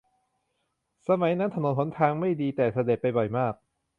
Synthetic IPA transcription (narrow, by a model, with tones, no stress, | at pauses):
sa˧ma˨˩˦jna˦˥nt̪ʰa˧no˨˩˦npʰo˦nt̪ʰaː˧ŋma˥˩jdiː˧t̪ɛː˨˩sa˧de˨˩t̪̚pa˧jbɔ˨˩jmaː˥˩k̚